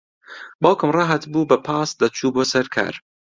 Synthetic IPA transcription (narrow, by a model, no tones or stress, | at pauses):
bɑwkɨmrɑɦɐt̪buːbɐpʰɑːsd̪ɐt͡ʃʰuːboːsɐɾkʰa̰ːɾ